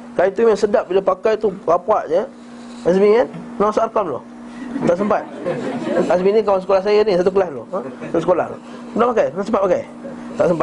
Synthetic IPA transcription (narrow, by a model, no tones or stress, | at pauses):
kajit̪umansədaʔ̚bilapakajt̪ukapaʔɲə | azmiŋannaasaʔrkamlo̰ | t̪aʔs̬əmpat̪̚ | azminikawans̬əkolahs̬ajinisat̪̬ukəlaslosat̪usəkola̰hlo̰ | dapakajnasəmpat̪̚pakaj | t̪aʔsəmpa